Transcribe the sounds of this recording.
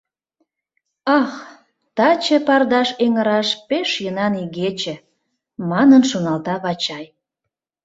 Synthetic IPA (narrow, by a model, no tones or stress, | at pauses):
ɑx | t̪ɑt͡ɕəpɑrd̪ɑʃeŋəɾɑʃpeʃjənɑniɣet͡ɕĕ | mɑnənʃunɑlt̪ɑβɑt͡ɕɑj